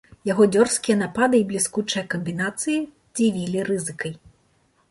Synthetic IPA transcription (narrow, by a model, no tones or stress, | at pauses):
jaɣɔd͡zʲɔrskʲijɐnapad̪ɨiblʲiskut͡ʂɐjɐkɐmʲbʲinat̪sɨji | d͡zʲivʲilʲiɾɨzɨkɐj